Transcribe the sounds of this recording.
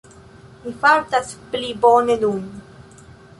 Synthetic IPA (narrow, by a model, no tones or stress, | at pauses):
mifaltasplibonenun